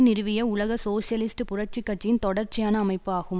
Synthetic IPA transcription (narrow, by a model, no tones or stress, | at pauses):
nɪɾɯʋɪjɐʊɭɐɣɐsoːsɪjɐlɪsʈɯpʊrɐʈ̚t͡ʃɪkːɐʈt͡ʃːɪjɪnt̪ɔɽɐɾt͡ʃːɪjaːnɐːmɐɪpːɯaːɣɯm